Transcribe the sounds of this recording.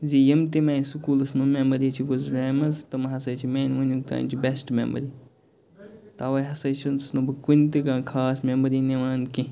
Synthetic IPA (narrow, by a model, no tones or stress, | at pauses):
zijɐmt̪imãːnʲsukuːlɐsmɐmemɐɾit͡ʃʰiɡuzɾaːmɐzt̪ɐmɐɦɐsɐjt͡ʃʰimeːnʋɐnʲut̪a̰ːnʲt͡ʃʰibesʈmʲḛmbɐ̰ɾi | t̪aːʋɐɦɐsɐjt͡ʃʰunsnɐbɨkunt̪iɡãːkʰaːsmembɐɾineʋaːnkĩ